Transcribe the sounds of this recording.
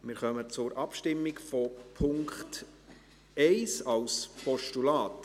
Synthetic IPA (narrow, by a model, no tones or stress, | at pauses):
mɪɾχœmət͡sʊɾʔɑpʃtɪmːɪɡfɔpʰʊŋkχt | ɛɪsɑlspɔʃtulɑːt